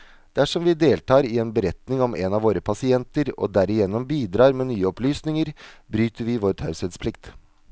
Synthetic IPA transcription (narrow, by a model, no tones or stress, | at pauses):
d̪̥æʂɔmʋɪd̪eːlt̪ʰɑːɾɪɛnbəɾɛt̪nɪŋɔmʔenɑʋoːɾəpʰɑsɪɛnt̪əɾɔ̰d̪æɾɪjɛnːɔmbiːd̪ɾɑːɾmɛːnyːəɔplyːsnɪŋəɾbɾyːt̪əɾʋɪʋoːɾt̪ʰɑʉsɛd̪spʰlɪkt̪